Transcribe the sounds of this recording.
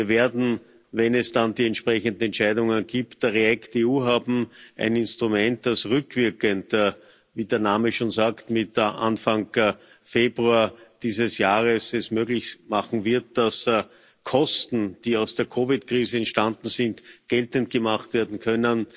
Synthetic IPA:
ɐveːɐdn̩ | vɛnɛsd̥andiːɛntʃpʁɛçəndn̩ɛntt͡ʃæɪdʊŋənɡiːptəʁeɛkteuːɦaːbm̩ʔæ̰ɪnɪnstʁʊmɛntd̥asʁʏkv̥ɪɐkənt | viːdeːɐnaːməʃoːnzaːktmɪtʔa̰nfaŋ | feːbʁuaɐd̥iːzəsjaːʁəsɛsmøːɡlɪçmaχŋ̩vɪɐt̚d̥as | kʰɔstn̩d̥iːɑʊsd̥eːɐkʰovɪtkʁiːzəɛntʃtandn̩zɪntɡ̥ɛltənt̚ɡ̥əmaχtv̥eːɐdn̩kʰœnən

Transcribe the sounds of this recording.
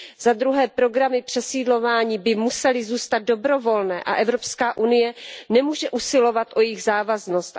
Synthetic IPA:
zad̪ɾuɦɛːpɾo̞ɡɾamɪpr̝̥ɛsiːdlo̞vaːɲiːbɪmusɛlɪzuːst̪ad̪̚do̞bɾo̞vo̞lnɛ̰ːʔa̰ʔɛvɾo̞pskaːʔunɪjɛnɛmuːʒɛʔusɪlo̞vat̪ʔo̞jɪɣzaːvazno̞st̪

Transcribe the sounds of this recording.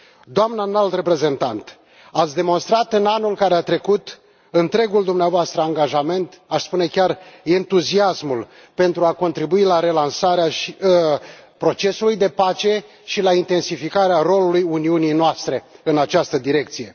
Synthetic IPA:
d̪oamnanalt̪re̞pɾe̞ze̞nt̪ant̪ | at̪sʲd̪e̞mo̞nst̪ɾat̪ɨnanulkaɾeat̪ɾe̞kut̪ | ɨnt̪ɾe̞ɡuld̪umneavoast̪ɾəaŋɡaʒame̞nt̪aʃspune̞kʲarent̪uziasmul | pe̞nt̪ɾuako̞nt̪ɾibuilaɾe̞lansaɾeaʃi | pɾo̞t͡ʃe̞sulujd̪e̞pat͡ʃe̞ | ʃilaint̪e̞nsifikaɾeaɾo̞lulujuniunijnoast̪ɾe̞ɨnat͡ʃast̪əd̪iɾe̞k̚t̪sije̞

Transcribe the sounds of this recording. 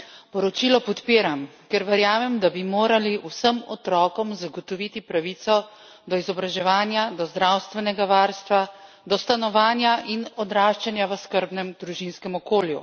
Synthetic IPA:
pɔɾɔt͡ʃilɔpɔt̪piːɾamkɛɾʋɛɾjaːmɛmd̪abimoːɾaliʔusəmɔt̪ɾɔːkɔmzaɡɔt̪ɔʋit̪ipɾaʋit̪sɔ | d̪ɔizɔbɾaʒɛʋaːnjad̪ɔzd̪ɾawst̪ʋɛnɛɡaʋaːɾst̪ʋa | d̪ɔst̪anɔʋaːnjaʔinɔd̪ɾaːʃt͡ʃɛnjaʋəskəɾbnɛmd̪ɾuʒinskɛmɔkoːljṵ

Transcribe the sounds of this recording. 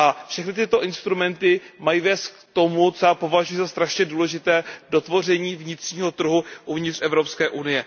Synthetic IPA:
ʔafʃɛxnɪt̪ɪt̪o̞ʔɪnst̪ɾumɛnt̪ɪmajivɛːst̪̚kt̪o̞mut̪t͡soapo̞vaʒujizast̪ɾaʃɲɛduːlɛʒɪt̪ɛːdo̞t̪vo̞r̝ɛɲiːvɲɪt̪r̥ɲiːɦo̞t̪r̩ɦuʔuvɲɪt̪rʔɛvɾo̞pskɛːʔunɪjɛ

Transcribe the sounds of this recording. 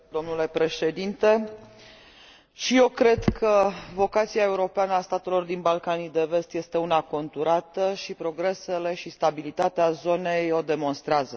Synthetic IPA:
d̪o̞mnule̞pɾe̞ʃe̞d̪int̪e̞ | ʃije̞wkɾe̞d̪kʰəvo̞kat̪siae̞uɾo̞peanəast̪at̪e̞lo̞rd̪inbalkanid̪e̞ve̞st̪je̞st̪e̞unako̞nt̪uɾat̪əʃipɾo̞ɡɾe̞se̞le̞ʃist̪abilit̪at̪eazo̞ne̞jo̞d̪e̞mo̞nst̪ɾeazə

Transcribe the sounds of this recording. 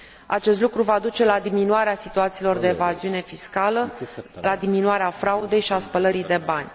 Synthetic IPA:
a̰t͡ʃe̞s̬t̪lukɾuvad̪ut͡ʃe̞lad̪iminuaɾeasit̪uat̪siːlo̞rd̪e̞ːvaziune̞fiskaləlad̪iminuaɾeafɾaud̪e̞jʃiaspələɾid̪e̞banʲ

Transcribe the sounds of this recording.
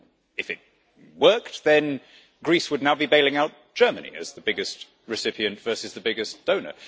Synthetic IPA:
ɨfɨt̚ | wɜˑ˞ktðɨ̃n | ɡ̥ɹiˑswədⁿnaʊbibeɪlɪ̃ŋaʊt̚d̥ʒ̥ɜ˞mənḭɨ̰zðəbɪɡɨst | ɹɨsɪpiɨ̃ntv̥ɜ˞sɨzðəbɪɡɪsd̥õʊ̃nə̰˞

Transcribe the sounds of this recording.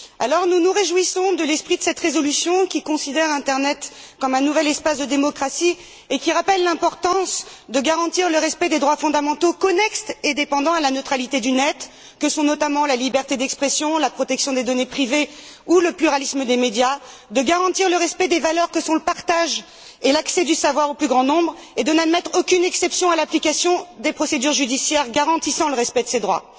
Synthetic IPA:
alɔʁnunuʁeʒwisɔ̃d̪əlɛspχid̪əsɛt̪ʁezɔlysjɔ̃kʲikɔ̃sid̪ɛʁɛ̃t̪ɛʁnɛt̪kɔmɛ̃nuvɛlɛspasd̪əd̪emɔkχasi | ekʲiʁapɛlːɛ̃pɔʁt̪ɑ̃sd̪əɡaʁɑ̃t̪iʁləʁɛspɛd̪ed̪ʁwafɔ̃d̪amɑ̃t̪okɔnɛkst̪ed̪epɑ̃d̪ɑ̃alanøt̪χalit̪ed̪ynɛt̪ | kəsɔ̃nɔt̪amɑ̃lalibɛʁt̪ed̪ɛkspχɛsjɔ̃lapχɔt̪ɛksjɔ̃d̪ed̪ɔnepχiveuləplyʁalisməd̪emed̪ja | d̪əɡaʁɑ̃t̪iʁləʁɛspɛd̪evalœʁkəsɔ̃ləpaʁt̪aʒ | elaksɛd̪ysavwaʁoplyɡʁɑ̃nɔ̃bʁed̪ənad̪mɛt̪χokʲynɛksɛpsjɔ̃alaplikasjɔ̃d̪epχɔsed̪yʁʒyd̪isjɛʁɡaʁɑ̃t̪isɑ̃ləʁɛspɛd̪əsed̪ʁwa̰

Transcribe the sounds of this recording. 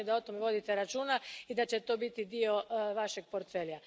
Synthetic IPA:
ed̪ao̞t̪o̞meʋo̞d̪it̪eɾat͡ʃuːnaid̪at͡ɕe̞t̪o̞ːbit̪id̪io̞ʋaʃe̞ɡ̚po̞ɾt̪fe̞lja

